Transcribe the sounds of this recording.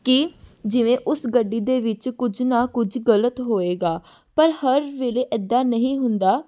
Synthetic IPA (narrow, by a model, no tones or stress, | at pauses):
kɪd͡ʒɪʋẽːʔʊsɡəɖːiːd̪eːʋɪt͡ʃkʊd͡ʒnaːkʊd͡ʒɡələt̪ɦoːeːɡaː | pəɾhəɾʋeːleːʔɛd̪ːaːnəɦĩːɦʊnd̪aː